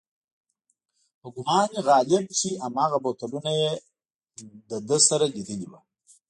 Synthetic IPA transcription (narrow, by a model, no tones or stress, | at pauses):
həɡʊmɑːnɣɑːlɪb̚t͡ʃiʔamɑːɣabot̪alunaje | d̪əd̪əsaɾad͡ʒitiliba